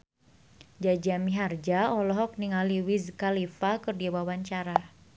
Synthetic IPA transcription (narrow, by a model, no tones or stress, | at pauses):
d͡ʒad͡ʒamiɦard͡ʒaɔlɔɦɔk̚niŋaliwizkalifakɨrdiawawaɲt͡ʃaɾa